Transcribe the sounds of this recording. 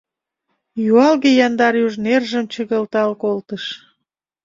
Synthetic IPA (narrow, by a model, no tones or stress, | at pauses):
juɑlɣejɑnd̪ɑɾjuʒnerʒə̆mt͡ɕəɣəlt̪ɑlkolt̪əʃ